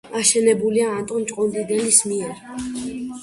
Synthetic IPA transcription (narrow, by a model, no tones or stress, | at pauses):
aʃɛnɛbuliaːnt̪ʼɔnt͡ʃʼqʼɔnd̪id̪ɛlismiɛɾ